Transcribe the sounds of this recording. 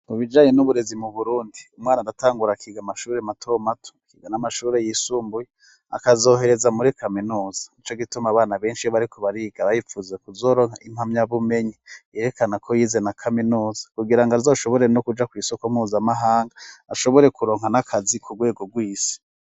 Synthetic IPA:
uβid͡ʒaːɲe̞nuβuɾe̞zimuβuɾuːndiumŋaːnaɾataːŋɡuɾakʰiːɡamaʃuːɾematʰo̞matʰo̥kiːɡanamaʃuːɾe̞jiːsuːmbuje | a̰kazo̞ːɦe̞ɾe̞zamuɾikaminuːz̥ḁit͡ʃoɡitumaβaːnaβe̞ːnʃijoβaɾikʰoβaɾiːɡ̥aβajifuzekuzo̞ːɾo̞ːŋ̥haimamɲaβume̞ɲijeɾekanakʰojiːze̞nakʰaminuːzḁkuɡiɾaŋɡazoːʃo̞βo̞ɾeno̞kud͡ʒakwiːsokomuːzamaɦaːŋɡaːʃo̞βo̞ɾe̞kuɾo̞ːŋ̥hanakʰazikʰuɡwe̞ːɡo̞ɡwiːsi̥

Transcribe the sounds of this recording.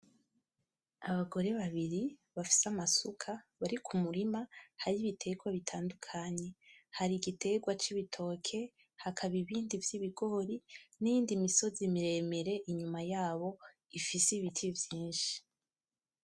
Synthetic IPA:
aβaɡo̞ɾe̞βaβiɾiβafi̥samasukʰaβaɾikʰumuɾimahaɾiβitʰe̞ɡwaβitʰaːndukʰaɲe̞haɾiɡite̞ɡwat͡ʃiβitʰo̞ːkʰe̞ | hakʰaβiβiːndivjiβiɡo̞ɾinijiːndimiso̞zimiɾe̞me̞ɾe̞ʔiɲumajaːβo̞ | ifisiβitʰivjiːnʃi̥

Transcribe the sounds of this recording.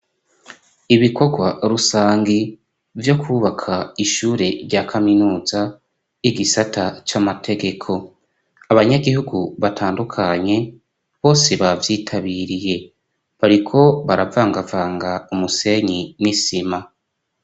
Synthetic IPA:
iβikʰo̞ɡwaɾusaːŋɡi | vjo̞kʰuβakʰaiʃuːɾe̞ɾɟaːkʰaminuːza | iɡisatʰat͡ʃamatʰe̞ɡe̞kʰo̞ | aβaɲaɡihuɡuβatʰaːndukʰaɲe̞ | βo̞ːse̞βavjiːtʰaβiɾije̞ | βaɾikʰo̞βaɾavaːŋɡavaːŋɡaumuse̞ɲimŋisima

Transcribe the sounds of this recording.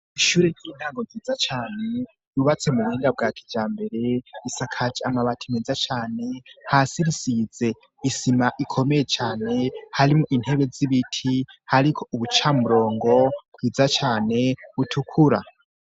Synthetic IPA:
iʃuːɾeɾjin̥haːŋɡoɡiːd͡zat͡ʃaːne̞ | juβat͡se̞muβuhiːŋɡabɡakʰi̥d͡ʒaːmbe̞ɾe̞isakʰad͡ʒiamaβatʰimed͡zat͡ʃaːne̞hasiɾisid͡ze̞ | isimaʔikʰo̞mejet͡ʃaːne̞haɾimuʔin̥he̞βed͡ziβitʰihaɾikʰouβut͡ʃamuɾo̞ːŋɡo̞kwiːd͡zat͡ʃaːne̞βutʰukʰuɾa̰

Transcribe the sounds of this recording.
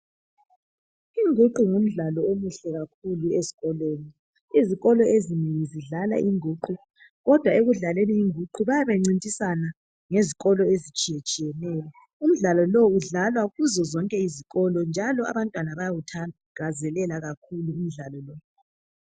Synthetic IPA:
iŋʱuǃuŋum̩ɮalɔomuɬɛɣak̚ʰuluezi̥ɣɔlweːni | iziɣɔlɔeziniiziɮala̰ʔiŋʱuːǃu | ɣɔd̥ʱwaeɣuɮaleniːŋʱuǃuβajaβeŋ͡ǀintʼisana | ŋeziɣɔlɔezit͡ʃʼijet͡ʃʼijɛnɛjɔ | um̩ɮalɔlɔuɮalwaɣuzɔzɔŋkʼɛiziɣɔlɔnd͡ʒʱalɔa̰βantʼwanaβajaɣutʰa | ɡ̥ʱazɛlɛlaɣakʰuluum̩ɮalɔlɔ

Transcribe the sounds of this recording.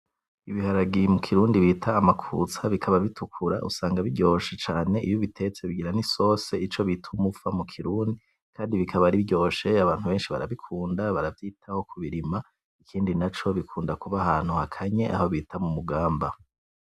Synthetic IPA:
iβihaɾaɡijmukʰiɾuːndiβitʰaːmakʰṵt͡saβikʰaβaβitʰukʰuɾa̰ʔṵsaːŋɡaβiɟo̞ːʃet͡ʃaːne̞ʔijoβitʰe̞t͡se̞βiɡiɾaniso̞se̞it͡ʃo̞βitʰumufamukʰiɾuːndi | kʰaːndiβikʰaβaɾibɟo̞ːʃe̞aβaːn̥huβe̞ːnʃiβa̰ɾa̰βikʰuːndaβaɾavjiːtʰaho̞kʰuβiɾima | ikʰiːndinat͡ʃo̞βikʰuːndakuβahaːn̥huhakʰaɲe̞ʔa̰ho̞βiːtʰamumuɡaːmba

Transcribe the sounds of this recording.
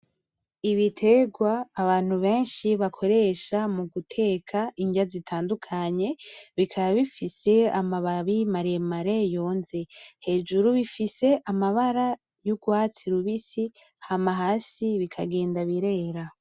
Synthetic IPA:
iβitʰe̞ɡwaːβaːn̥huβe̞ːnʃiβakʰo̞ɾe̞ʃamuɡutʰe̞ːkʰaʔiɲɟazitʰaːndukʰaɲe̞βikʰaβaβifise̞amaβaβimaɾemaɾe̞jo̞ːnze̞he̞ːd͡ʒuɾuβifise̞ʔamaβaɾa | juɡwaːt͡siɾuβisi | hamaɦaːsiβikʰaɡe̞ːndaβiɾe̞ɾa

